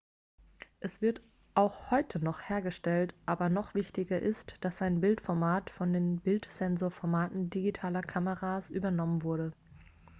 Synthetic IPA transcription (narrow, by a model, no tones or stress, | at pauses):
ʔɛsv̥ɪɐt | ʔaʊxhɔʏtʰənɔχheːɐɡəʃtɛltʔaːbɐnɔχv̥ɪçtɪɡɐʔɪstd̥asaɪnbɪltfɔɐmaːtfɔndeːnbɪltz̥ɛnzoːɐfɔɐmaːtn̩diɡitʰaːlɐkʰaməʁaːsʔyːbɐnɔmənvʊɐɾə